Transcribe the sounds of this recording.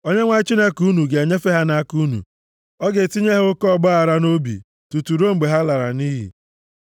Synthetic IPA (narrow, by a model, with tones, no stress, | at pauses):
o˦ɲe˦ŋʷa˦i˦t͡ʃi˦ne˦ku˦nu˨ɡe˨e˨ɲe˦fe˦ɦa˦na˦ku˦nṵ˨ | ɔ˦ɡe˨ti˦ɲe˦ɦo˦kɔ˦ɡ͡ba˦a˨ɾa˦no˦bḭ˨ | tu˨tu˨ɾo˦ŋ͡m̩˨ɡ͡be˨ɦa˦la˨ɾa̰˨niː˦ɦḭ˨